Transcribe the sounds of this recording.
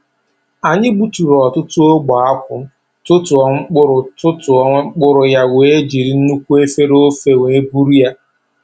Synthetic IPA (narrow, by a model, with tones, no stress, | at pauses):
a˨ɲɪ˦ɡ͡bu˦˨tu˨ɾɔ˨tʊ˦tʊ˦o˦ɡ͡ba˨a˦kʷʊ˨ | tʊ˦tʊ˨ɔ˨ŋ͡m̩˦k͡pʊ˦ɾʊ˨tʊ˦tʊ˨ɔ˦ŋ͡m̩˦k͡pʊ˦ɾʊ˨ja˦wʷe˦d͡ʒi˨ɾi˦n̩˦nu˦kʷu˦e˦fe˦ɾo˦fe˦˨wʷe˨e˦bu˦ɾi˦ja˦